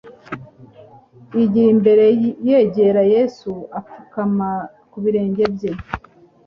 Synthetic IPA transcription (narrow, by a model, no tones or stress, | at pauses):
iɟiɾimbe̞ɾe̞je̞ːɟe̞ɾaje̞suafukama | kuβiɾe̞ːɲɟe̞bje̞